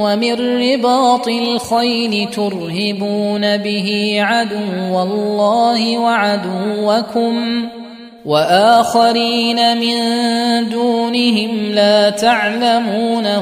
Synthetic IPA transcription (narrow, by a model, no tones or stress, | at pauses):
wamɪnːɪbɑːt̪ˤɪlxajɾɪt̪ʊɾhɪbuːnabɪɦiːʕad̪ʊwːalːɑːhɪwaʕad̪ʊwːakʊm | waʔaːxaɾiːnamɪnd̪uːnɪɦɪmlaːt̪aʕlamuːna